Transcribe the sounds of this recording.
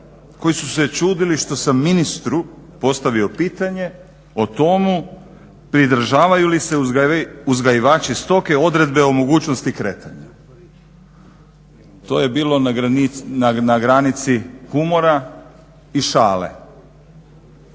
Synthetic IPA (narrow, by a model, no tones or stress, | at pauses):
ko̞jisuset͡ʃuːd̪iliʃt̪o̞samːinist̪ɾupo̞st̪aʋio̞piːt̪aɲe̞ | o̞t̪o̞mu | pɾid̪ɾ̩ʒaːʋajuliseuzɡajiʋaːt͡ʃist̪o̞keo̞d̪ɾe̞d̪beomo̞ɡuːt͡ʃnost̪ikɾeːt̪ʰaɲa | t̪o̞̰ːje̞biːlˠo̞ | nanaɡɾanit̪sihumo̞ɾa | iʃaːlḛ